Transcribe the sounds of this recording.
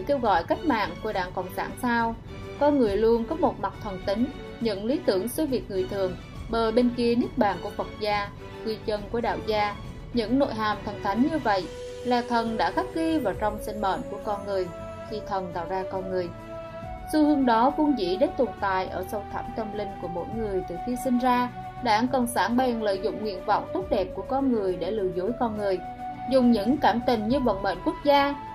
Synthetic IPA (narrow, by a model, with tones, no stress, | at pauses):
ke˧wɣɔ̰˧˨jka˦˥jk̟̚ma̰ː˧˨nku˧˩əɗaː˧˩ŋkɔ̰˧˨wŋ͡msa̰ː˧˩nsaː˧w | kɔ˧nŋɨ˨˩əjlu˧ənkɔ˨˦mo˨˩t̚ma˨˩t̪ʰə˨˩nt̪ï˨˦ŋ̟ | ɲɨ̰˧˥ŋli˨˦t̪ɨ˧˩əŋsə˨˧˦vi˨˩ək̚ŋɨ˨˩əjt̪ʰɨ˨˩əŋ | ɓəː˨˩jɓe˧nki˧əni˦˥ək̚ɓa̰ː˧˨nkṵ˧˩əfə˨˩t̚zaː˧ | kwi˧t͡ɕə˧nku˧˩əɗa̰ː˧˨wzaː˧ | ɲɨ̰˧˥ŋno̰˧˨jɦaː˨˩mt̪ʰə˨˩nt̪ʰa˨˦jŋɲɨ˧və̰˧˨j | laː˨˩t̪ʰə˨˩nɗa̰ː˧˥xa˦˥k̚li˧vaː˨˩wt͡ɕɔ˧wŋ͡msi˧ŋ̟mə̰ː˧˨nku˧˩əkɔ˧nŋɨ˨˩əj | xi˧t̪ʰə˨˩nt̪a̰ː˧˨wzaː˧kɔ˧nŋɨ˨˩əj | sɨ˧hɨ˨˧əŋɗɔ˨˦vu˧ənzḭ˧˥ɗe˦˥t̪u˨˩nt̪a̰ː˧˨jʔəː˧˩sə˧wt̪ʰa̰˧˩mt̪ə˧mlï˧ŋ̟ku˧˩əmo̰˧˥jŋɨ˨˩əjt̪ɨː˨˩xi˧sï˧ŋzaː˧ | ɗa̰ː˧˩ŋkə̰˧˩wŋ͡msaː˧˩nɓɛ˨˩nlə̰ː˧˨jzʊ̰˧˨ŋ͡mŋwḭ˧˨ənvɔ̰˧˨wŋ͡mt̪u˦˥t̚ɗɛ˨˩p̚ku˧˩əkɔ˧nŋɨ˨˩əjɗe˧˩lɨ̰˧˨zo˨˦jkɔ˧nŋɨ˨˩əj | zʊ˨˩ŋ͡mɲɨ̰˧˥ŋkaː˧˩mt̪ï˨˩ŋ̟ɲɨ˧ɓə̰˧˨nmə̰ː˧˨nku˦˥ək̚zaː˧